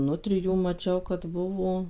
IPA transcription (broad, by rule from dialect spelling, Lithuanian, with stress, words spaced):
ˈnʊtʲrʲɪjuː mɐˈt͡ʃʲɛʊ kɐt ˈbʊʋoː